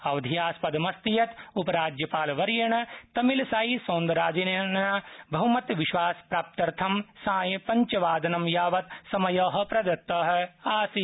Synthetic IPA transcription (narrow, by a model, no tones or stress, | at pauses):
ɐʋd̪ʱijaːspɐd̪ɐmɐst̪ijɐt̪upɐɾaːd͡ʒjɐpaːlɐʋɐɾjɐɳɐt̪ɐmilɐsaːisoːnd̪ɐɾaːd͡ʒinɳabʱɐɦumɐt̪ʋiʃʋaːspɾaːp̚t̪ɐɾt̪ʰɐmsãːjɐpɐɲt͡ʃɐʋaːd̪ɐnɐmjaːʋɐt̪sɐmɐjɐːɦɐ̆pɾɐd̪ɐt̪ːɐːɦɐ̆aːsi